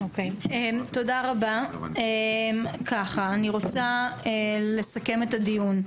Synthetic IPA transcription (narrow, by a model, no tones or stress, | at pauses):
okejemt̪o̞daʁabaemkʰaχaːniʁo̞t͡saele̞sake̞me̞t̪adijun